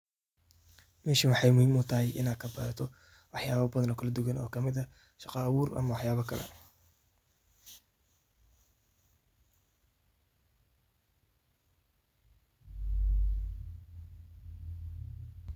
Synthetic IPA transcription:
mɛːʃiwɑħɑjmʊhimʊt̪ʰɐɦɛjʔɪ̰naːd̪kʰɐbɐ̰ːɾɐt̪ʰɔ | wɑħjaːβɐbɐðɐnɔːkʰɐlɐd̪ʊɣɐnɔ̰ːkʰɐmɪðɐ | ʃɑqɑːwuːrɐ̰mɐwɑħjaːβɐkʰɐlɛ̰

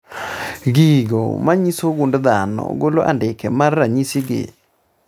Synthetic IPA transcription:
ɣiɣɔ̰maɲisoɣundðanɔ̰ɣoloʔa̰ndekɛmaɾːaɲisiɣḛ

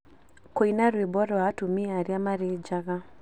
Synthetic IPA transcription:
koinaɾwebɔɾɔatumiaɾiamaɾed͡ʒaɣa

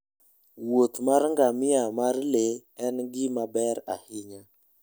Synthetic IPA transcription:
wot̪maɾŋɡamiamaɾleɛnɡimabɛɾa̰hiɲa

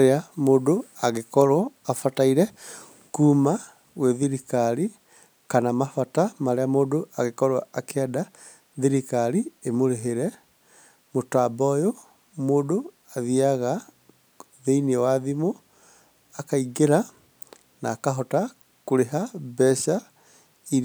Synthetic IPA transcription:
aɾeamodoaɣekɔɾaːfataiɾɛ | kuːma | ɣwɛðiɾikaɾi | kanamafatamaɾeamodoʔaɣekɔɾwaakʰɛda | ðiɾikaɾiemoɾeɦeɾɛ | motabɔjo | moːdo | aðiaɣa | ðeiniɛwaðimo | akaiɡeɾa | naːkaɦɔta | koɾeɦabɛʃa | iɾ

